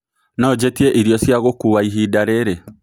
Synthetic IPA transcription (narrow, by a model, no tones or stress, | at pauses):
nɔːd͡ʒɛtieʔiɾjɔsjaɣokuwaiɦidaɾeɾɛ